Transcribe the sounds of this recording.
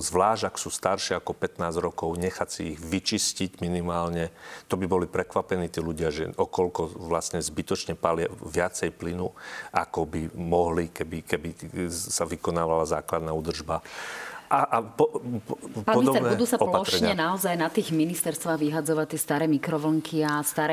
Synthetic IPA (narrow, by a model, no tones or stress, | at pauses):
zʋlaːʒaksuːst̪aɾʃiakɔpɛt̪naːzɾɔkɔʊɲɛxasiiɣʋit͡ʃisciɟminimaːlɲɛt̪ɔbibɔlipɾɛkʋapɛniːt̪iːluɟɪaʒɛ̰ʔɔkɔlkɔʋlasɲɛzbit̪ɔt͡ʃɲɛpalɪaʋɪat͡sɛjplinuʔakɔbimɔɦlikɛbikɛbisaʋikɔnaːʋalazaːklad̪naːuːd̪r̩ʒbaʔaʔapɔ | paɔid̪ɔnɛud̪uːsaɔplaɔʃɾɛɲɛnaɔzajnat̪iːɣminist̪ɛɾst̪ʋaːɣʋiɦad͡zɔʋact̪ɪɛst̪aːɾɛːmikɾɔʋl̩ŋkʰiast̪aːɾɛ